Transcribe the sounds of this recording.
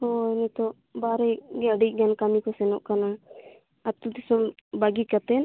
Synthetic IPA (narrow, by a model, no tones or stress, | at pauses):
ɔɛnɛt̪ɔʔ | baɾɛɡɛɖiʔ̚ɡankamikɔsɛnɔʔkana | at̪ud̪isɔmbaɡikat̪ɛn